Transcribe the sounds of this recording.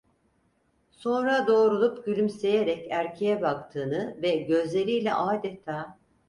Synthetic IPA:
so̞nɾad̪o̞ːɾulˠupɟylʲymse̞jeɾɛcæɾcʰe̞jɛbakt̪ʰɯːnɯvɛɟø̞zlʲe̞ɾijlʲɛ̰ʔaːd̪et̪ʰaː

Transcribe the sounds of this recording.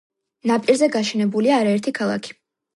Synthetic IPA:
napʼiɾzɛɡaʃɛnɛbuliaːɾaɛɾt̪ʰikʰalˠa̰kʰi̥

